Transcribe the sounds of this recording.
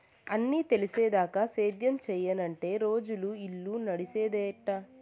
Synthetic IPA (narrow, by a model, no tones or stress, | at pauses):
ɐnːiːt̪e̞liseːd̪aːkaseːd̪jɐmt͡ʃɛːjɐnɐɳʈe̞ːɾo̞ːd͡ʒuluilːunɐɽiseːd̪eːʈːa